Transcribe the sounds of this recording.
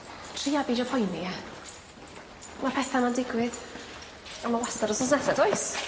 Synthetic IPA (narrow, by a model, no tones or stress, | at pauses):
tʰriːabiːdɔpʰɔjnia | mapʰɛθamandɪɡwɪð̥ | amawastaɾɔsɔsnɛsɛdɔjs